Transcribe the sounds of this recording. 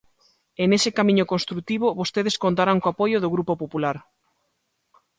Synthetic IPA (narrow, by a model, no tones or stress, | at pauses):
enesɪkamĩɲʊkonst̪ɾut̪iβʊβost̪eðeskont̪aɾaŋkoapojʊðoɣɾupopopulaɾ